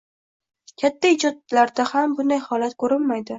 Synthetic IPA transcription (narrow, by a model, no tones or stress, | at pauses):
kʲʰat̪ʰːaɪd͡ʒɒd̪̚laɾd̪ahambʊnd̪ajhɒlat̪kʰɵɾɪlmajd̪ɪ